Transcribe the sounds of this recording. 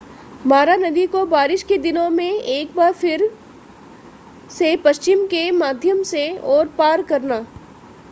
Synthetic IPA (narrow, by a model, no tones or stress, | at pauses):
maːɾanɐd̪ikobaːɾɪʃked̪ɪnõmẽʔeːk̚baːɾfɪɾ | sepɐʃt͡ʃɪmkemaːd̪ʱjəmseɔːɾpaːɾkɐɾnaː